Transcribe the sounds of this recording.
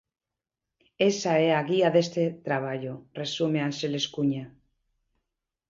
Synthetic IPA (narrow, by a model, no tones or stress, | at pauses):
esaeaɣiaðest̪et̪ɾaβ̞aʎoresumeanseleskuɲa